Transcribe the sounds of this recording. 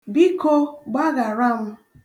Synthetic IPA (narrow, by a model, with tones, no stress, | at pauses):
bi˦ko˦ɡ͡ba˦ɡa˨ɾa˦˨ŋʷʊ˦